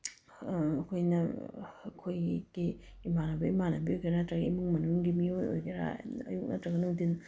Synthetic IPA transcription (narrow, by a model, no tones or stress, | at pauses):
ɐkʰojnɐɐkʰojɡ̥iː | manɐbɐimanɐbiojkʰenatɾɐɡimuŋmɐnuŋɡimijono̰jkʰeɾa̰ɐ̰juk̚nɐtɾɐɡɐnuŋdin